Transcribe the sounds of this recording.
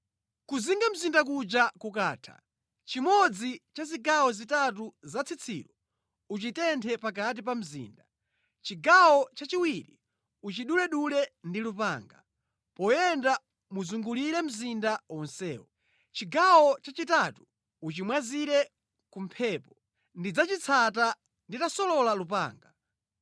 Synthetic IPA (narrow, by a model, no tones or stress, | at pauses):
kuziŋɡam̩zindak̬ud͡ʒakukaːtʰḁ̰ | t͡ʃimɔd͡zit͡ʃaziɡawɔzitat̬uzat͡sʰit͡sʰḭːlɔ | ut͡ʃitɛntʰɛpakat̬ip̬am̩zḭːnda | t͡ʃiɡawɔt͡ʃat͡ʃiwiɾi | ut͡ʃiɗulɛɗulɛndilupaːŋɡa̰ | pɔjɛnda | muzuŋɡuliɾɛm̩zindaɔnsɛ̰ːɔ | t͡ʃiɡawɔt͡ʃat͡ʃitatu̥ | ut͡ʃimwaziɾɛ | kum̩pʰɛːpɔ | ndid͡zat͡ʃit͡sʰata | nditasɔlɔlalup̬a̰ːŋɡa